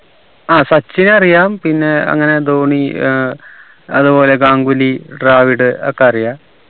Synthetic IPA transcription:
aːsɐt͡ɕːinɐrijaːmpinːe̞ɐ̰ŋːɐne̞d̪oːɳi | ɐ̰ðubo̞ːle̞ɡaːŋɡuliɖraːʋiɽɨɐkːeɐrijaː

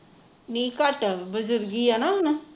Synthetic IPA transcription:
nikaʈəbəd͡zəɾɡijanana

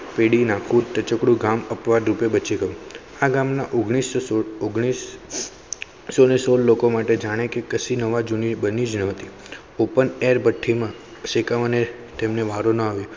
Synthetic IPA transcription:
peɽinakʰũt̪ət͡ʃəkɽũɡaməpʋad̪ɾupebət͡ʃiɡəjũ | aɡamnaʔoɡɽ̃isoɡɽ̃is | onesollokomaʈed͡ʒaɽ̃ekekəsinəʋad͡ʒunibənid͡ʒnəɦət̪i | opəneɾbəʈʰːimã | ʃekaʋane | t̪emneʋaɾonəaʋjõ

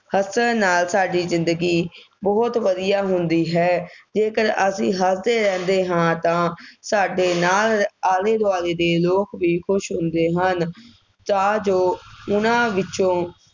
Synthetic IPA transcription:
həsəɾnaːlsaːɖiːzɪnd̪əɡiː | bɔːt̪ʋəd̪ɪjaːɦʊnd̪iːɦɛːd͡ʒeːkəɾəsĩːɦəsd̪eːɾɛ̃ːnd̪eːɦãːt̪ãːsaːɖeːnaːlaːleːd̪ʊaːleːd̪eːloːkʋiːkʰʊʃɦʊ̃nd̪eːɦən | t̪ãːd͡ʒoːʊnãːʋɪt͡ʃõː

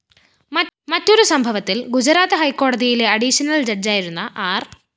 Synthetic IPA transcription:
mɐmɐtːo̞ɾusɐmbʱɐʋɐt̪ːilɡud͡ʑɐɾaːt̪ɐɦɐjkːo̞ːɽɐðijile̞ɐɖiɕɐnɐld͡ʑɐrd͡ʑaːjiɾunːɐʔaːr

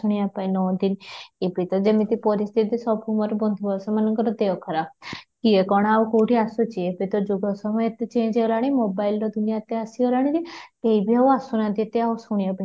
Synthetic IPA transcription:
uɽ̃iapainɔːd̪inepit̪ɔd͡ʒemit̪ipɔɾist̪ʰit̪isɔpʰumɐɾbɔnd̪ʱubɔsɔmanəŋkɔɾɔd̪eʋkʰəɾab̚kiekɔɽ̃aukowʈiasut͡ʃʰiepet̪ɔd͡ʒuɡɔsɔməjet̪t͡ʃẽd͡ʒeɔlaɽ̃imobailɾɔd̪unijat̪easiɔlaɽ̃ĩd͡ʒikeibʱiauasunɐt̪it̪eausuɽiapai

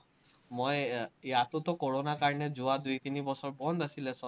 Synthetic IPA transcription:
mojjat̪ot̪ɔkoɹonakaɹned͡ʒuad̪ujt̪inibɔsɔɹbɔnd̪asilesɔ

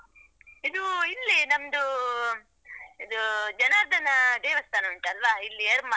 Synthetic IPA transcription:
id̪uilːinɐmd̪u | id̪ud͡ʒɐnaːɾd̪ʱɐnɐd̪eːʋɐst̪ʰaːnɐʋiɳʈuɐlʋailːiɐɾma

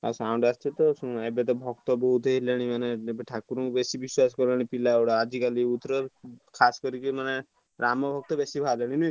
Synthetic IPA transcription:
a̰saw̃ɳɖast͡ʃʰit̪ɔsũebet̪̬ɔbʱɔɡt̪ɔbɔɦut̪eɦileɽ̃imaneebeʈʰakuɾɔkubesibiswaskɔɾlaɽ̃ipilaɔɽaad͡ʒikaliut̪ɾɔkʰasɔ̥kɔɾikimane | ɾamɔbʱɔɡ̚t̪ɔbesibʱaleɽ̃ini

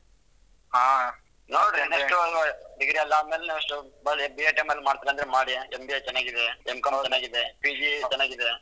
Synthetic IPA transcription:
ɦaː | noːɽɾinːɐʂʈud̪iɡɽiɐlːaːd̪melenaːʋɐʂʈubɐɭbieʈemɐlːimaːɽt̪aɾeɐnd̪ɐɾemaːɽiembiɐjt͡ʃɛnːaːɡid̪eemkɐmt͡ʃɛnːaːɡid̪epid͡ʒit͡ʃɛnːaːɡid̪e

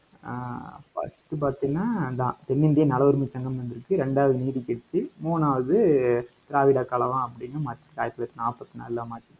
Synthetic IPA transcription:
fɐ̰sʈɯp̬aːɾt̪iŋɐnaːɪnd̪ãːt̪ɛnːɪnd̪ɪjɐnɐlɐʋɐɾɯmɪt͡ʃːɐŋɡɐmʋɐnd̪ɪɾɯkːɯɾɛɳɖaːʋɐðɯniːɽikːɛɽɯt̪ːɯmuːnaːʋɐðɯt̪ɪɾaːʋɪɽaːkːaːɭɐʋãːɐpːɐɽɪŋɡɐmaːʈːkaːjɐk̪ːɐlɐkːɯnaːpːɐt̪ːɯnɐ̰ːlːaːmaːʈːi

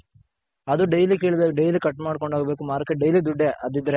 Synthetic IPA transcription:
ɐd̪uɖejlikeːɭbeːkuɖejlikɐʈːmaːɽkoɳɖaːɡɐbeːkumaːɾkɐɖɐjlid̪uɖːeɐd̪id̪ːɐɾe

